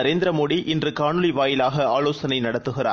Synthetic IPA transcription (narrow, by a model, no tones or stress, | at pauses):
ɐɾeːnd̪ɪɾɐmoːɽiʔɪndrɯkaːɳɯliʋaːjɪlaːɣɐaːloːsɐnɐɪnɐɽɐt̪ːɯɣɪraː